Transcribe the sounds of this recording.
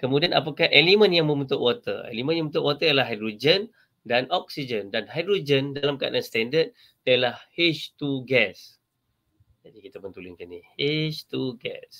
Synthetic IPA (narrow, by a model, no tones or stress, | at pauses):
kəmudiana̰pakahʔelimə̃njaŋmə̃mũt̪ʊʔwat̪ə̰ḛlimə̃njaŋməũt̪ʊʔwat̪əjəlaɦajdɾod͡ʒən | danʔɔk̚sid͡ʒəndanɦajdɾod͡ʒəndalamkaa̰danst̪ɛndət̪̚ː | ijəlahhɪʃt̪uɡɛs | d͡ʒadikit̪apənt̪ulʊnkanihiʃt̪uɡɛ̰s